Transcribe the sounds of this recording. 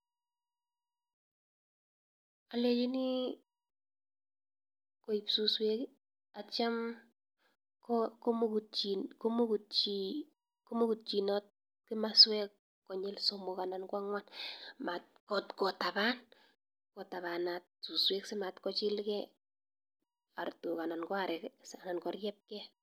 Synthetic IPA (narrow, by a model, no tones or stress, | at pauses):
alet͡ʃini | koipsuswek | at͡ʃam | kɔkomkt͡ʃikomukut͡ʃi | komukut̚t͡ʃinɔt̚ | kɪmaswɛkː | ɔɲɪlsomokanankwaŋwanmat̚kɔtkɔtaban | kɔtaβanat̚suswɛksematkɔt͡ʃɪlkɛ | artukanankɔaɾɛksanankɔɾjɛp̚kɛ